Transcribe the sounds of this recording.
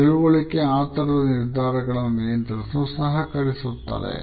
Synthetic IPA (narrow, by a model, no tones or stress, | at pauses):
iluʋɐɭikːeaːt̪ɐɾɐd̪ɐniɾd̪ʱaːɾɐɡɐɭɐmejɐnt̪ɐɾɐsusɐɦɐkɐɾisut̪ːa̰ːɾḛ